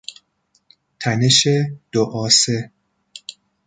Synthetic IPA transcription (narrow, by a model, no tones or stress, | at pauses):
t̪ʰæneʃed̪̥oʔɒːse